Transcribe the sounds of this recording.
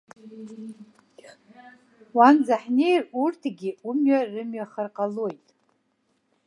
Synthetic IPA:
wand͡zaħnejrurtʰɡʲiumɥarɨmɥaχarqʼalojtʼ

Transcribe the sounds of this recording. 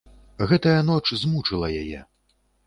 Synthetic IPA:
ɣɛt̪ɐjɐnɔt͡ʂzmut͡ʂɨlˠɐjajɛ̰

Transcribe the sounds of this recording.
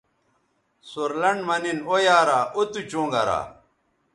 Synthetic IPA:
soɾlɐɳɖmɐninojaːɾaːʔot̪ut͡ɕõːŋɡɐ̰ɾa̰

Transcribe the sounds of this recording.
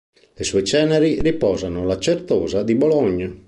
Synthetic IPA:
lesuet͡ʃɛːneɾiripɔːzanʊlat͡ʃert̪ɔːzad̪ibɔlɔɲːa

